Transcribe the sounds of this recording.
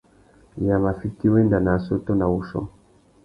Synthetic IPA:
ja˨ma˨fi˦ti˦we˦nda˨na˨so˦to˦na˨wu˨ʃɔ̰˦

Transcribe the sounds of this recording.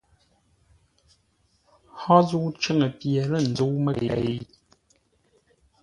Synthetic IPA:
hɔ˦zu˦t͡ʃə˦˨ŋə˨pjɛ˨lə˦˨n̩˨d͡zo˨˦mə˦e˨e˦

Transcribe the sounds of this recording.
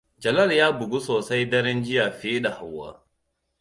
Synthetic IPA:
d͡ʒɐ˨lɐ˦˨ljaː˦bʊ˨ɡu˦soː˨sa˦jdɐ˦ɾɪ˦nd͡ʒɪ˦jaː˨ɸeː˦ɗa˨ha˨wːa̰ː˦

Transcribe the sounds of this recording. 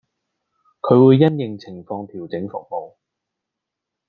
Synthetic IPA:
kʰɵ˨˧ɥwuː˨˧jːɐ˥njɪ˨˩ŋt͡sʰɪ˨˩ŋfɔː˧ŋt̪ʰiː˨˩wt͡sɪ˨˥ŋfʊ̰˨k̚mo˨w

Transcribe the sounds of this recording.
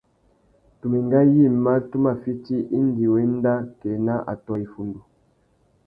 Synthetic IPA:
tu˨mi˨ŋɡa˦ji˦˨ma˦tu˦ma˨fi˦ti˦ʔi˦n˦di˨wɛ˦n˦da˦kɛ˨na˦ʔa̰˨tɔ˨i˨fu˨ndu˨

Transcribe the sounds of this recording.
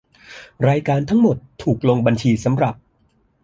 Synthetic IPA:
ɾaː˧jkaː˧nt̪ʰa˦˥ŋmo˨˩t̪ʰːuː˨˩k̚lo˧ŋba˧nt͡ɕʰiː˧sa˩˦mɾa˨˩p̚

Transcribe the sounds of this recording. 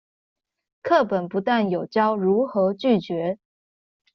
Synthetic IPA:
kʰɤ˥˩pə˨˩npu˧˥t̪a˥˩njo˨˩ʊt͡ɕjɑ˥ʊɻu˧˥xɤ˧˥t͡ɕy˥˩t͡ɕɥɛ˧˥

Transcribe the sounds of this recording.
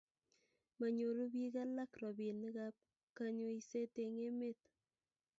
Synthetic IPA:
ma˨ɲo˨ɾu˦bi˦ɣa˦la˦kɾɔ˨bi˨ni˦ɣa˦p̚ | ka˦ɲo˦i˦se˦te˨ŋe˦me˦t̪

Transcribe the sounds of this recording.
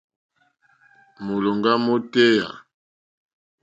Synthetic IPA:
mo˨lɔ˨ŋɡa˦mo˦tɛ˦ja̰˨

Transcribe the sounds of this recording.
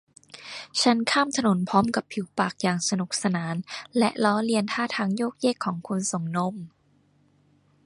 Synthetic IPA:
t͡ɕʰa˦˥nkʰaː˥˩mt̪ʰa˧no˨˩˦npʰɔː˦˥mka˨˩pʰːiː˨˩˦wpaː˨˩k̚jaː˨˩ŋsa˧nu˨˩k̚sa˧naː˩˦nlɛ˦˥ʔlɔː˦˥li˧ənt̪ʰaː˥˩t̪ʰaː˧˥ŋjoː˥˩k̚jeː˥˩kʰːɔː˩˦ŋkʰu˧nso˨˩˦ŋno˧˥m

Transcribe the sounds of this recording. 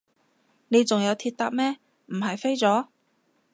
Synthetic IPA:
ne˨˧jt͡sʊ˨ŋjɐ˨˧wt̪ʰiː˧t̚t̪aː˧p̚mɛː˥ | m̩˨˩ɦɐ˨jfe˥jt͡sɔː˨˥

